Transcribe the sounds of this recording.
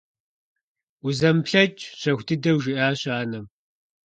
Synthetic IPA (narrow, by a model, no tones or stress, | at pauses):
uzɐmpɬɐt͡ʃʼɕɐxʷtʰɨdɐwʒɪʔaːɕaːnɐm